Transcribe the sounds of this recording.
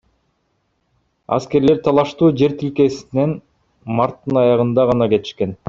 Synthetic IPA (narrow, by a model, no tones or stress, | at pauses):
ɑ̰ske̞ɾle̞ɾt̪ʰɑlˠɑʃt̪uːd͡ʒe̞ɾt̪ilke̞sine̞n | mɑɾt̪ːɯnɑjɑʁɯnd̪ɑʁɑnɑke̞t̪i̥ʃke̞n